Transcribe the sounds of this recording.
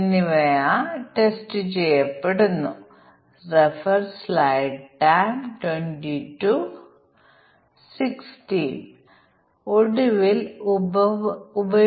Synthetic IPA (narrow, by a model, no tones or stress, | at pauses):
nːiʋɐjaʈestɨt͡ɕejːɐpːeɽunːu | refɐrslajɖʈːajmʈweɳʈitu | sikstiːn | oɽuʋil | ubɐ